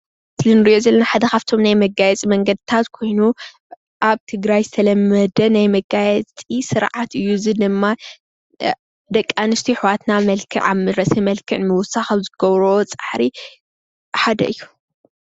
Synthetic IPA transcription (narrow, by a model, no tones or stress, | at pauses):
sɨlɨnɨɾiʔozɐlːɐnaħad̪ɐkaft̪ʰo̞mnajmɐɡajɛt͡sʼimɐŋɡɐd̪ɨt̪ʰat̪kʰo̞jnu | ʔaβt̪ʰɨɡɾajzɨt̪ʰɐlɐmɐd̪ɐnajmɐɡajɛt͡sʼisɨɾʕat̪ɨjːuzɨd̪ɨmːa | d̪ɐkʼːanɨst̪ʰiħwat̪namɐlkʰɨ̰ʕa̰mɨɾɐsemɐlkʰɨʕnmɐwʊsːaxɐβzɨɡ̥ɐβɾɐwot͡sʼaħɾi | ħad̪ɐ̰ɨjːu